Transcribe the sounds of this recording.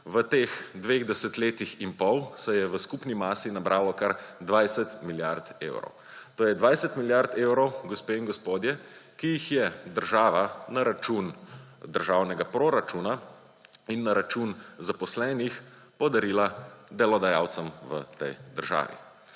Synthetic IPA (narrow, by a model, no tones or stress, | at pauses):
ʋət̪eːxd̪ʋeːɣd̪ɛsɛt̪leːt̪iximpɔwsɛjɛʋəskupnimaːsinabɾʔaːlɔkaɾd̪ʋajsɛt̪miljaɾt̪ḛwɾɔ̰w | t̪oːjɛd̪ʋajsɛt̪miljaɾt̪ewɾɔwɡɔspeːiŋɡɔspoːd̪jɛkijixjɛd̪əɾʒaːʋanaɾat͡ʃund̪əɾʒaːwnɛɡapɾoɾat͡ʃuna | inːaɾat͡ʃunzapɔslɛːnix | pɔd̪aɾiːlad̪ɛlɔd̪aja̰ːwt̪sɛmʋə̰t̪ɛ̰jd̪əɾʒa̰ːʋḭ